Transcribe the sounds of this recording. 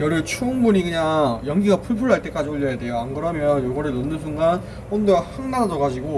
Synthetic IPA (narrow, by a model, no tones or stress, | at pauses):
jʌɾɯɭt͡ɕʰuːŋbuɲiɡɯɲaŋjʌŋɡiɡapʰuɭpʰuɭaɭt͈e̞k͈ad͡ʑioʎːʌjade̞joaŋɡɯɾʌmjʌnjoɡʌɾɯɭnʌnːɯns̬ʰuŋɡan | ɸʌnduɡahaŋnad͡ʑʌɡad͡ʑiɡo